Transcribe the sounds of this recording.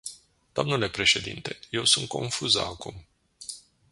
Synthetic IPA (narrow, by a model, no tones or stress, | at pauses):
d̪̥oamnule̞pɾe̞ʃe̞d̪ḭnt̪e̞̥je̞wsunt̪̚ko̞nfuza̰akṵm